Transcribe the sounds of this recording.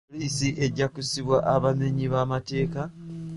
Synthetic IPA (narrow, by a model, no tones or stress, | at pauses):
liːsiʔe̞ɟːakusiβwaʔaβaneɲiβamate̞ːka